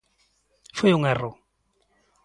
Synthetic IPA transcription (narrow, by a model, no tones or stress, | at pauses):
fajʊŋɛrːʊ